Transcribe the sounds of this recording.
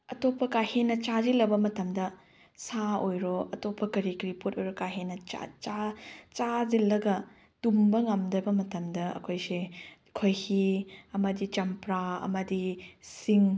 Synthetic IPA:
ɐtopʰːɐkahenːɐt͡ʃazilːɐbɐmɐtɐmdɐ | saojɾoɐtopʰːɐkɐɾikɾiputojɾokaɦenɐa̰t͡ʃat͡ʃazilːɐɡɐ | tumbɐŋɐmdɐbɐmɐtɐmdɐɐ̰kʰojse | kʰojhiɐmɐdit͡ʃɐmpɾaɐ̰mɐdisiŋ

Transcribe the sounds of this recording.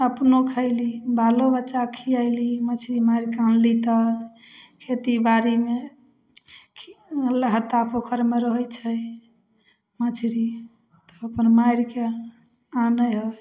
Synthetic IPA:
əpnokʰəɪlibalobət͡ʃakʰiajlimət͡ʃʰɾimaiɾkãnlit̪ə | kʰet̪ibaɾime | kʰləɦət̪ːapokʰəɾmeɾəɦəjt͡ʃʰəj | mət͡ʃʰɾi | t̪ɔ̥əpənmaiɾke | anəjɦo

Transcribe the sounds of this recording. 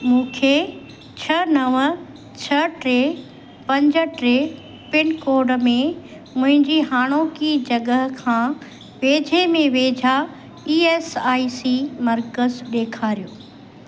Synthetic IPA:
mũːkʰe | t͡ɕʰɐnɐʋə | t͡ɕʰɐʈɾe | pɐ̃ɲd͡ʑə̆ʈɾe | pɪnkoːɾɖ̆mẽ | mʊ̃ɦɪ̃ɲd͡ʑiɦaːɽ̃oːkid͡ʑɐɡəɦkʰãː | ʋeːd͡ʑʱemẽʋeːd͡ʑʱa | iːeːsaːisimɐɾkəzɗeːkʰaːɾijoː

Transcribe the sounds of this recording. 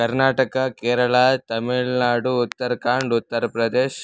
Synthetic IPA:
kɐɾnaːʈɐkɐkeːɾɐɭat̪ɐmiɭnaːɖuːt̪ːɐɾkaːɳɖut̪ːɐɾɐpɾɐd̪eːʃ

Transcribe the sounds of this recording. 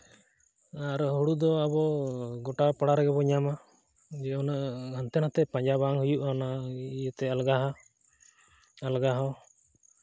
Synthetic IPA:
aɾɦuɽud̪ɔabɔɡɔʈapaɽaɾɛɡɛbɔɲama | d͡ʒɛɔnaʔhənt̪ɛnat̪ɛpaɲd͡ʒabaŋhujuʔanaijət̪ɛalɡaɦa | alɡaɦaw

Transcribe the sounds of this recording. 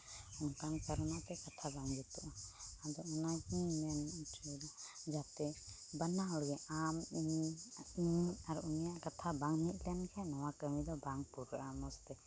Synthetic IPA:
ɔŋkaŋkaɾɔnat̪ɛkat̪ʰabaŋbɛt̪uʔaad̪ɔɔnaɡimantʰid̪ɔd͡ʒat̪ɛ | banaɔɽɡɛʔami | iaɾuunijaʔkat̪ʰabaŋmit̪̚ˀlɛnkʰanɔwakəmid̪ɔbaŋpuɾamɔst̪ɛ

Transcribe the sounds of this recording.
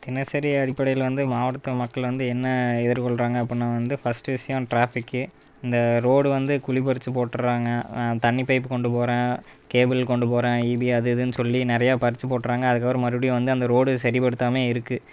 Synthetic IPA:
t̪ɪnɐsɐɾɪjɐɐɽɪpːɐɽɐjɪlʋɐnd̪ɯmaːʋɐɽɐt̪ːɐmɐkːɐɭʋɐnd̪ɯɛnːɐɪðɪɾkɔɭɾaːŋɡɐːpːɐɽnaːʋɐnd̪ɯfɐsʈɯʋɪʂɐjɐ̃ʈɾaːfɪkːɯ | ɪnd̪ɐɾoːɽɯʋɐnd̪ɯkʊɭɪpɐɾɪt͡ʃːɯpoːʈːɾaːŋɡɐt̪ɐɳːɪpːɐɪpːɯkɔɳɖɯpoːɾãːkeːbɪlkɔɳɖɯpoːɾãːiːbiɐðɯðɯnːɯsɔlːinɪɾɐjaːpɐɾɪt͡ʃːɯpoːʈːɾaːŋɡɐɐðɯk̬ːaːʋɐɾɐ̃mɐɾɯɽijʋɐnd̪ɯɐnd̪ɐɾoːɽɯsɐɾipɐɽɯt̪ːaːmeːɪɾɯkːɯ

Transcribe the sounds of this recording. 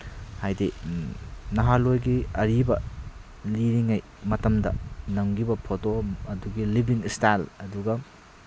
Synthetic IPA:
hajde | nɐɦalojɡiɐɾibɐ | liɾiŋaj | mɐtɐmdɐ̰nɐŋɡibɐpʰotoɐduɡilibiŋistajlɐduɡɐ

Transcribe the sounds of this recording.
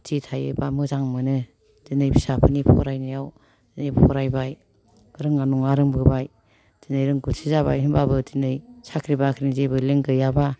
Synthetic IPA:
tʰitʰajɯ̰bamɯzaŋmɯnɯ | dinɯjbʰisapʰɯnipʰɔ̰ɾajnɯjaw | d̥inɯjppʰɔ̰ɾajbaj | ɯɾɯŋːanuŋaɾɯŋbɯbaj | d̥inɯjɾɯŋɡusʰizaβa̰jɯnbabɯtinɯjsʰakʰɾibakʰɯɾizebɯleŋɡɯjaba

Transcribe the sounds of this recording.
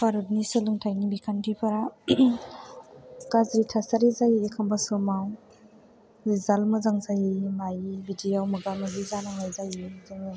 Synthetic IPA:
pʰaɾɯdnisɯlɯŋtʰajnibikʰankipʰaɾa | kazɾitʰasaɾizajiekʰambasɯmaw | zizalmɯzaŋzajimajibidiawmɯɡamɯzizanaŋajzajizaŋa

